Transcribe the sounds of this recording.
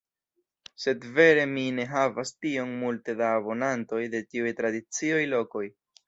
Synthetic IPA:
se̞dve̞ɾe̞mine̞ɦavastio̞nmulte̞daːbo̞nanto̞jde̞tiujt̪ɾadit͡sio̞jlo̞ko̞j

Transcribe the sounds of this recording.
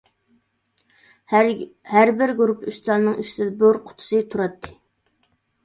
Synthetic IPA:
hæɾbɪɾɡuɾupyst̪ɑnnɨŋyst̪ɪd̪ɛboɾqʰʊ̥t̪ʰʊ̥sɨt̪ʰuɾɑt̪ʰːɨ

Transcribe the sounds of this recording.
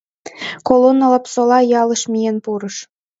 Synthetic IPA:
kolonːɑlɑpsolˠɑjɑlˠɤ̆ʃmʲijenpuɾɤ̆ʃ

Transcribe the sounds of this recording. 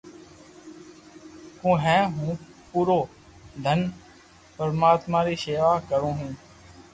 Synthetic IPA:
kũːɦɛ̃ːɦũː | puːɾoː | d̪ʱən | pəɾmaːt̪mãːɾiːseːʋaːkəɾõːɦũː

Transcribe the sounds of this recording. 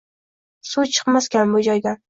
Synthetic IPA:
sut͡ʃʰɨ̥qmaskʲanbod͡ʒɒjɡʲa

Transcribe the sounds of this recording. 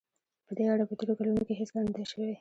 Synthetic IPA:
pəd̪eaɽapət̪eɾokalunokeɦeslɑnd̪eʃəwe

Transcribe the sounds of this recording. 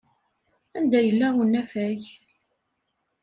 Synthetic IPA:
ænd̪æjəlːæʁunːæfæj

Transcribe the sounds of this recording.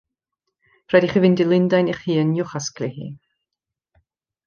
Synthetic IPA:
rɛdiχivɪndilˠɪndajniχhiːənjʊχasklˠihḭː

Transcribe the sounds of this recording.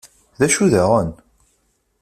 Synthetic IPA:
ðæʃuðæʁən

